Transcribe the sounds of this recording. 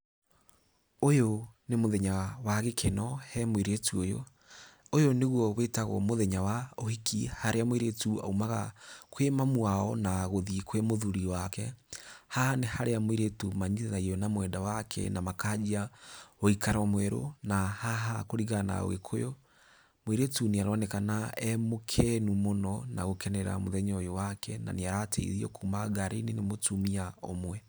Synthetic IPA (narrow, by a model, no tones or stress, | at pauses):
ojonemoðɛɲawaɣekʰenɔhɛmweɾetuojo̰ | ojoneɣwɔβetaɣɔ̰moðɛɲawaohikihaɾeamweɾetua̰umaɣa̰kʰwemamwaɔ̰naɣoðikwemoðuɾiwakɛhahanehaɾeamwiɾetumaɲiðeðaiɔnamwɛdawakʰɛ̰namakaːd͡ʒiaoikaɾaamwɛɾo̰nahaɦakoɾiɣana̰o̰ɣḛkʰojo | mwiɾetuniaɾwanekanaɛmokʰɛnumonɔnaɣokɛnɛɾa̰moðɛɲɔjowakʰɛna̰neaɾatʰḛḭɾiɔ̰kumaɣaɾʔenenemotumiao̰mwɛ